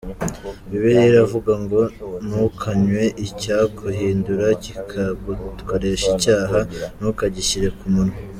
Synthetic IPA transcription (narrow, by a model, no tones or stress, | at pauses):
iβeɾeɾavuɡaŋɡo̞nukʰaɲwe̞ʔicakʰuɦiːnduɾacikʰakoɾe̞ʃicaːɦanukaɟiçiɾe̞kumuno